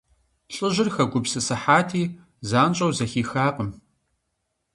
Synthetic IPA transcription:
ɬʼɨʑɪrxɐɡʷʊpsɨsɐħaːtʰiː | zaːnt͡ʃʼɐwzɐxiːxaːqʼəm

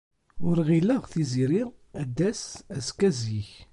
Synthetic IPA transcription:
ʊɾʁiləʁθiziɾiæd̪ːæsæskæziç

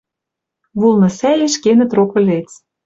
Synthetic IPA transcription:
βulˠnɤ̆sælʲeʃkenə̆t̪rokɤ̆lʲet͡s

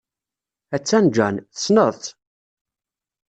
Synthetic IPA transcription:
æt͡sːænd͡ʒænθə̥snəðˤθ

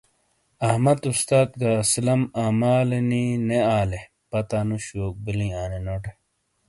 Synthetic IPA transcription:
ɐhmɐt̪ust̪aːt̪̚ɡaslɐmaːmaːlenineaːle | pɐt̪aːnuɕoːk̚bilĩaːnenoːʈe

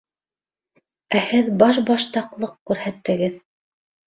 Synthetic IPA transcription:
æhɘðbɑʃ̬bɑʃt̪ɑqlˠɤqkʉɾhæt̪ːɘ̆ɡɘð

